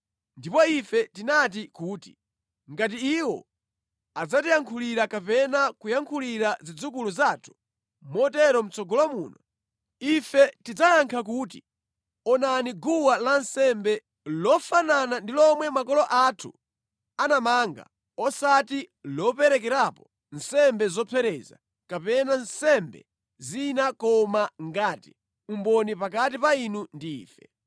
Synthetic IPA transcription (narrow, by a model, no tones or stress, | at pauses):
ndipɔifɛtinat̬ikuːti̥̰ | ŋɡat̬iːwɔ̰ | ad͡zatijaŋkʰuliɾakapɛnakujaŋkʰuliɾazid͡zukuluzaːtʰu̥ | mɔtɛɾɔm̩t͡sɔɡɔlamṵːna | ifɛtid͡zajaŋkʰak̬uːt̬ḭ | ɔnaniɡuwalansɛmbɛ | lɔfananandilɔmwɛmakɔlɔʔatʰu | anamaŋɡa̰ | ɔsati | lɔpɛɾɛk̬ɛɾapɔ | nsɛmbɛzɔpʰɛɾɛza̰ | kapɛnansɛmbɛ̰ | zinakɔmaŋɡaːti̥ | umbɔnipak̬at̬ipainundḭːfɛ̰